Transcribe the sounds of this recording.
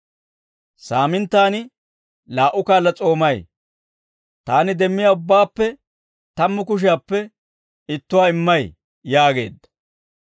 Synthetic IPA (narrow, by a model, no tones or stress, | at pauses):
saːmɪnt̪ːaːnɪ | laːʔʊkaːlːɐt͡sʼo̞ːmɐj | t̪aːnɪd̪ɛmːɪjaʊbːaːpːɛ | t̪ɐmːʊkʊʃ̬ɪjaːpːɛ | ɪt̪ːʊwaːɪmːɐj | jaːɡe̞̰ːd̪ːɐ̥